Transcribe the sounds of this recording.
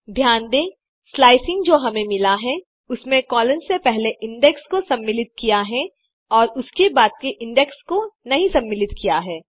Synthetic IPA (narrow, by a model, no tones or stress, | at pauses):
b̪ʱjaːnd̪ẽː | slaːɪsɪ̃ŋɡd͡ʒoːɦɐmẽmɪlaɦɛ | ʊsmẽkɔːlənsepɛɦleʔɪ̃ɳɖɛkskosɐ̃mːɪlɪt̪̚kijaɦɛ | ɔːɾʊskebaːt̪̚keʔɪ̃ɳɖɛkskonɐɦĩsɐ̃mːɪlɪt̪kijaɦɛː